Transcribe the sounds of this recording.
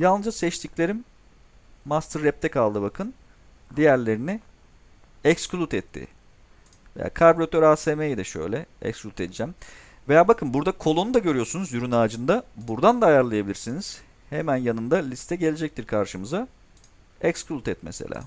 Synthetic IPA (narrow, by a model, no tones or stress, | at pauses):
jalˠnɯzasɛt͡ʃt̪ʰiclʲe̞ɾimː | ast̪ɯɾːɛp̚t̪ʰɛkʰalˠd̪ɯbakʰɯn | d̪ijæɾlʲe̞ɾini | ɛksklʲˠut̪ɛt̪ʰːɪ̰ | veja̰ːkʰaɾboɾat̪ʰøɾaːsemejid̪ɛʃø̞̰jlʲɛɛ̰ksklʲut̪ʰe̞d̪id͡ʒæm | vejaːbakʰɯnbuɾd̪akʰo̞lˠonud̪aɟø̞ɾijo̞ɾsunuzjyɾynaːd͡ʒɯnd̪abuɾd̪and̪ajaɾlˠajabilʲiɾsiniz̥ | hemænjanɯnd̪alʲist̪ʰɛɟe̞lʲed͡ʒɛc̚t̪ʰiɾkʰaɾʃɯmɯza | ɛksklʲˠut̪ɛt̪̚mesḛlʲa̰ː